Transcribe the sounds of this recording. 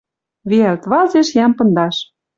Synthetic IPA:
βeælt̪βɑzeʃjæmpɤ̆nd̪ɑʃ

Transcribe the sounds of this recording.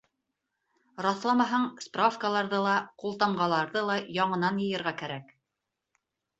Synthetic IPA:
rɑθlˠɑmɑɦɑɴsprafkəlˠɑɾðɤlˠɑqulˠt̪ɑɴɢɑlˠɑɾðɤlˠɑjɑɴɤ̆nɑnjɤ̆jɤ̆ɾʁɑkæɾæk

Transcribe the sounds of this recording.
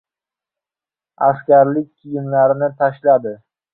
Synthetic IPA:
askʲaɾlɪk̚ʲkʲʰːɪjɪmlaɾɪnɪt̪ʰaʃlad̪ɪ

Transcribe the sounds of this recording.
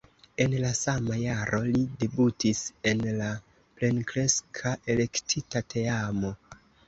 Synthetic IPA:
e̞nlasamajaɾʔo̞lide̞butise̞nla | ple̞nkɾe̞skʰaʔe̞le̞ktʰitatʰe̞amo̞

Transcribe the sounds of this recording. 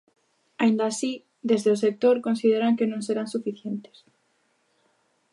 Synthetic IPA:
aind̪asi | d̪ezðeosek̚t̪oɾkonsið̞eɾaŋkenõŋseɾansufiθjent̪e̥s

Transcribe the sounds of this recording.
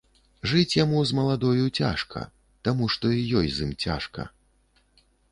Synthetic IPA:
ʐɨt͡sʲjamuzmɐlˠad̪ɔjut͡sʲa̰ʂkɐ̰ | t̪amuʂt̪ɔijɔjzimt͡sʲa̰ʂkɐ̰

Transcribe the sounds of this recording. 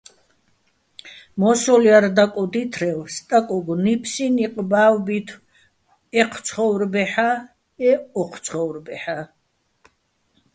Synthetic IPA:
mɔsɔliaɾd̪akʼɔd̪it̪ʰɾɛwst̪ʼakʼɔɡnipʰsiniqʼbaːwbit̪ʰw | ɛqʰt̪sʰχɔwɾbɛħa | ɛɔqʰt̪sʰχɔwɾbɛħa

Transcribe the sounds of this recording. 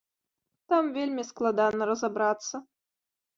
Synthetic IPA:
t̪amvʲelʲmʲisklˠad̪ɑnːəɾəzabɾɑt̪sːə

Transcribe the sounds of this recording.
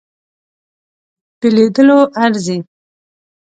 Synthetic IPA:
peled̪əloʔaɾzi

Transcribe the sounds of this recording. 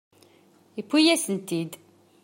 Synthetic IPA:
ipːijæsənt̪id̪

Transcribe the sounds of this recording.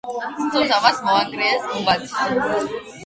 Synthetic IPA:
st̪ʰʼɔzavasmɔaŋɡɾɛasmubat̪ʰi̥a

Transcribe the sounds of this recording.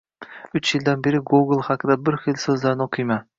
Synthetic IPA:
ʊt͡ʃjɪld̪anbe̞ɾɪɡuɡlˠhɑqɨd̪abɪɾχɪlsɵzlaɾɪnɪoqʰɨjma

